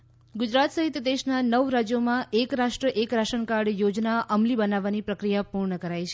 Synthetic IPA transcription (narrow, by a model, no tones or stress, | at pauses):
ɡʊd͡ʒɾat̪səɦit̪d̪eʃnanəʋɾad͡ʒjomãekɾaʃʈɾəʔekɾaʃənkaɽjod͡ʒnaʔəmlibənaʋːanipɾəkɾijapuɾɳəkəɾajt͡ʃʰe